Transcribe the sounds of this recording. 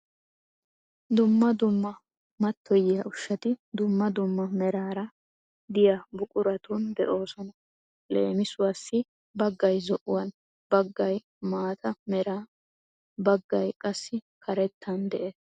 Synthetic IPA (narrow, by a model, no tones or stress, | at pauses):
d̪ʊmːɐd̪ʊmːɐ | mɐt̪ʰːɔjɪjɐʊʃːɐt̪ɪd̪ʊmːɐd̪ʊmːɐmɛɾaːɾɐ | d̪ɪjabʊkʼʊɾɐt̪und̪ɛ̰ʔo̞ːsɔnɐ | le̞̰ːmɪsʊwaːsːɪ | bɐɡːɐjzɔʔʊwɐn | bɐɡːɐj | maːt̪ʰɐmɛɾaː | bɐɡːɐjkʼɐsːɪkʰɐɾɛt̪ʰːɐnd̪ɛʔeːs